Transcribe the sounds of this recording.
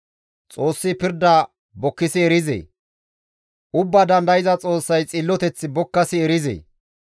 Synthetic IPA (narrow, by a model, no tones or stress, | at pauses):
t͡sʼo̞ːsːɪpɪɾd̪ɐ | bɔkːɪsɪɛɾɪzḛː | ʊbːɐd̪ɐnd̪ɐjɪzɐt͡sʼo̞ːsːɐjt͡sʼɪlːɔt̪ɛt͡sːɪbɔkːɐsɪɛɾɪzḛː